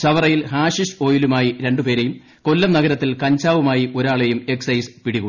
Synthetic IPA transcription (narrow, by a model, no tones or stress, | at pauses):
t͡ɕɐʋɐrɐjilɦaːʂiʂo̞ːjilumaːjiɾe̞ɳɖupe̞ːɾejum | ko̞lːɐmnɐɡɐɾɐt̪ːilkɐɲt͡ɕaːʋumaːjio̞ɾaːɭe̞jume̞ksɐjsɨ̥piɽiɣu